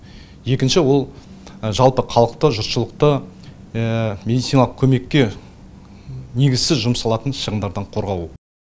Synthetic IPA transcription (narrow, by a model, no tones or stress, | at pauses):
je̞kʲɪnʃɪwo̞lˠ | ʒɑlˠpəqʰɑlˠəq̚t̪əʒʊɾt̪ʃəlˠəq̚t̪ə | mʲe̞d̪it̪sinɑlˠəq̚kʲʰɵme̞kʲːe̞ | ne̞ɡʲɪz̥sɪzʒʊmsɑlˠɑt̪ənʃəʁənd̪ɑɾd̪ɑɴqʰo̞ɾʁɑwə